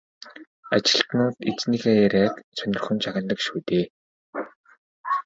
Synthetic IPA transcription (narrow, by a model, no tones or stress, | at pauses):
at͡ɕɪ̆ɬt̪nʊːt̪et͡snixeːæɾæːt̪t͡sœnʲɪ̆rχɵ̆nt͡ɕʰaɣə̆nt̪ə̆kʃuːt̪eː